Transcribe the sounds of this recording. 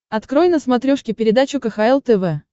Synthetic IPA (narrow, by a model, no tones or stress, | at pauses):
ɐt̪kɾojnəsmɐt̪ɾʲoʂkʲɪpʲɪɾʲɪd̪at͡ɕʊkəxaɛlˠt̪ɛvɛ